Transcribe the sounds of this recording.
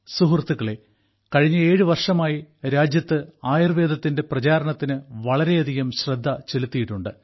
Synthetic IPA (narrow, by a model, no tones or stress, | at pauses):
suɦurt̪ːuɣɐɭe̞ | kɐɻiɲːɐeːɻɨʋɐrʂɐmaːjiɾaːd͡ʑjɐt̪ːɨaːjirʋe̞ːd̪ʱɐt̪ːinde̞prɐt͡ɕaːɾɐɳɐt̪ːinɨʋɐɭɐɾe̞jɐd̪ʱiɣɐmɕrɐd̪ʱːɐt͡ɕe̞lut̪ːijiʈːuɳɖɨ̰